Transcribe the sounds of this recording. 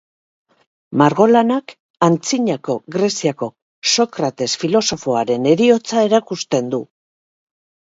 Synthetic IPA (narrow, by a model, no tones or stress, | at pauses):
maɾɣo̞lanak | ant͡siɲako̞ɣɾe̞siako̞ | so̞kɾat̪e̞sfilo̞so̞fo̞aɾe̞ne̞ɾio̞t͡sae̞ɾakust̪e̞nd̪u